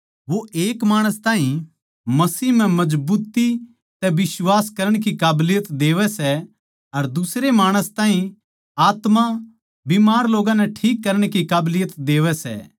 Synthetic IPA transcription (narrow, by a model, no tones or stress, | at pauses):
ʋoeːkmaːɽ̃əst̪aːɦĩ | mɐsiːɦm̤ɛ̃mɐd͡ʒbuːt̪i | t̪ɛʋɪswaːskɐɾəɽ̃kikaːblɪjət̪d̪eːʋɛsɛ | ɐɾd̪ʊsɾemaːɽ̃əst̪ãːɦĩ | aːt̪ma | biːmaːɾloːɡãnɛʈʰiːkːɐɾəɽ̃kikaːblɪjət̪d̪eːʋɛsɛ̰ː